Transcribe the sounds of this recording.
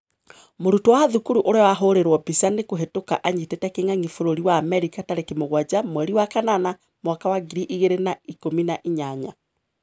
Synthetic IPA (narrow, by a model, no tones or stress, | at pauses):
moɾutowaðukuɾuʔoɾeɔwaɦoɾeɾwɔbisanekoɦetokaʔaɲitetɛkeŋaŋifoɾoɾiwamɛɾikataɾekemoɣwad͡ʒamwɛɾiwakanana | mwakawaɡiɾiʔiɣeɾenaikominaʔiɲaɲa